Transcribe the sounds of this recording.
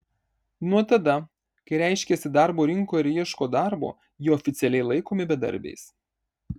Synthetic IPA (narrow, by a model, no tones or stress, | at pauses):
nuɔt̪ɐd̪ɐ | kɐɪɾʲæˑɪʃʲkʲɛsʲɪd̪ɑɾboːɾʲɪŋkoːɪɾʲiɛʃkoːd̪ɑɾbo̰ː | jɪɔfʲɪt̪sʲɛlʲɛɪlˠɐɪkoːmʲɪbʲɛd̪ɐ̰ɾʲbʲɛ̰ɪs